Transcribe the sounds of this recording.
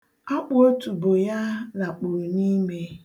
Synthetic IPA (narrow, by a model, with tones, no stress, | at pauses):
a˦k͡pʊ˦o˦tu˨bo˨ja˦la˨k͡pʊ˨ni˦me˦